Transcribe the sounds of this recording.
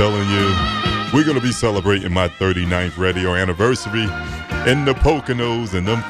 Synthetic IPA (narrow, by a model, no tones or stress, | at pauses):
ɛlˠɪ̃ŋjɨwɪɹɡʌnəbisɛlˠəbɹeɪɾɪ̰̃ŋmaɪθɜ˞ɾinãɪ̃nθɹeɪɾioʊænɨvɜ˞sɨɾi | ɨ̃nðɨpʰoʊkɨnoʊzɨ̃nðə